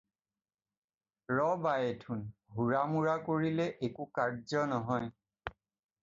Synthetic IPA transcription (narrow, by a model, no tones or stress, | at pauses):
ɹɔbajetʰunɦuɹamuɹakoɹilɛʔekukaɹzɔnɔɦɔj